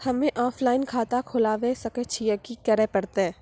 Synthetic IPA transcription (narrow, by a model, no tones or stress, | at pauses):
hɐmẽʔɔːpʰlaːɪnkʰaːt̪akʰʊlaːʋesɐkət͡ʃʰijəkikɐɾɛpɐɽt̪eɛː